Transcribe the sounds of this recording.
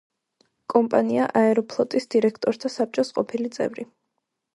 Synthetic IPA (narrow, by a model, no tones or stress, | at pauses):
kʼɔmpʼaniaʔaɛɾɔpʰlˠɔt̪ʼisd̪̥iɾɛkʰt̪ʼɔɾt̪ʰasap̚t͡ʃʼɔsqʼɔpʰilit̪sʼɛ̰vɾi